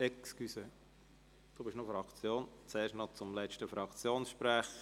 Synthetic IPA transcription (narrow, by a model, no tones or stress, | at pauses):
ɛkskysə | d̥uːbɪʃnɔfɾɑkt͡sjoːnt͡sɛːɾʃtnɔt͡sʊmlɛt͡ʃtəfɾɑkt͡sjoːnsʃpɾæːχ